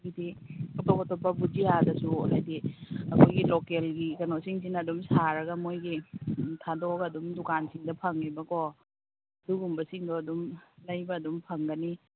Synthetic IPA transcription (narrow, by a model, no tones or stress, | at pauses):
ɡidiɐpakɔtɔpːɐbud͡ʒiadɐsuɦajdiɐkʰojɡilokelɡikɐnosiŋsinɐɐdumsaɾɐɡɐmojɡitʰadoɡɐːdumdukansiŋdɐpʰɐŋːibɐko | duɡumbɐsiŋdɔɐdumlɐjbɐːdumpʰɐŋɡɐni